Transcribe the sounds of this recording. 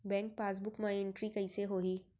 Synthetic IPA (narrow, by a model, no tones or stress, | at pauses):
bɛ̃ːŋk̚paːs̬bʊkmãɪ̃ɳʈɾikɐiseɦoːɦiː